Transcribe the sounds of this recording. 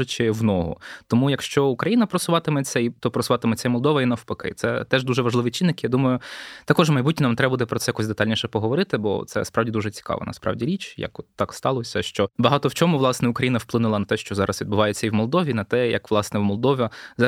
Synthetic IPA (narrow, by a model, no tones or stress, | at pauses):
ʊt͡ʃɪʋnɔɦɔ̰t̪ɔmujɐkʃt͡ʃɔʊkɾɐjinɐpɾɐsʊʋɑt̪ɪmɛt͡sʲːɐit̪ɔpɾɔsʊʋɑt̪ɪmɛt͡sʲːɐimɔlˠd̪ɔʋɐinɐwpɐkɪ̰t̪sɛt̪ɛʒd̪uʒɛʋɐʒlˠɪʋit͡ʃinːɪkjad̪umɐjʊt̪ɐkɔʒmɐjbutʲnʲinamt̪ɾɛbɐbud̪ɛpɾɔt̪ɛjɐkɔsʲd̪et̪ɑlʲnʲiʃɛpɔɦɔʋɔɾɪt̪ɪbɔ̰t̪sɛ̰spɾɑwdʲid̪uʒɛt͡sʲi̥kɑ̰ʋɐ̰nɐ̰spɾɑ̰ʋdʲiɾʲit͡ʃjɐ̰kɔt̪ːɑkst̪ɑlˠɔsʲɐʃt͡ʃɔbɐɦɑt̪ɔwt͡ʃɔmʊʋlˠɑsnɛʊkɾɐjinɐwplˠɪnʊlˠɐnɐt̪ɛʃt͡ʃɔzɑɾɐsʋʲid̪bʊʋɑjet͡sʲːɐiwmɔlˠd̪ɔʋʲinɐt̪ɛjɐ̰kʋlˠɑsnɛwmɔlˠd̪ɔʋʲɐz